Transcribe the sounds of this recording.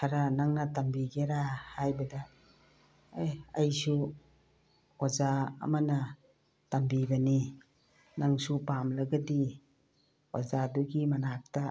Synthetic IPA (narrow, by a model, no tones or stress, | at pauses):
kʰaɾanaŋnatambiɡeɾahajbɐda | jajsu | oza̰ːmana | tambibɐni | naŋsupamlaɡadi | ozaduɡimanak̚ta